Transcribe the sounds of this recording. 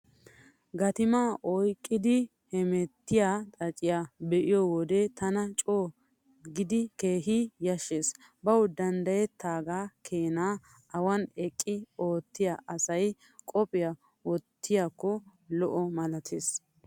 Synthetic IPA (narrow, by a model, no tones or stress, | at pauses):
ɡɐt̪ɪmaːʔɔjkʼːɪd̪ɪ | hɛmɛt̪ːɪjat̪ʼɐt͡ʃʼːɪjaːbɛʔɪjɔwɔd̪et̪ɐnɐt͡ʃʼoː | ɡɪd̪ɪke̞ːɦɪjɐʃeːs | bɐwd̪ɐnd̪ɐjɛt̪ːaːɡaːkʰeːnaː | ʔɐwɐnɛkʼːɪo̞ːt̪ːɪjaʔɐsɐj | kʼɔpʼɪja | wɔt̪ʰːɪjakːɔlɔʔɔmɐlɐt̪ʰeːs